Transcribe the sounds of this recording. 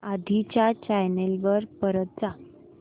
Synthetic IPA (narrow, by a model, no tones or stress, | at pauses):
ad̪ʱit͡ɕjat͡ɕajnelʋəɾpəɾət̪̚d͡za